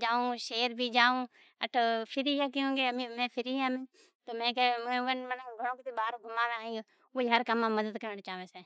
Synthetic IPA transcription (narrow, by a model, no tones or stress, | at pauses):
d͡ʒaːũːʃeːɾbʱiːd͡ʒaːũː | əʈʰopʰɪɾiːjaːk̬ːõːɡeːmimẽːpʰɪɾiɦãːmẽː | t̪oːmẽːkemʋənmənɡʱəɽõːkɪt̪ʰiːbaːɾoɡʱʊmaːʋẽːaːĩo | oiɦəɾkəmãːməd̪əd̪kəɾəɳt͡ʃaːʋeːseː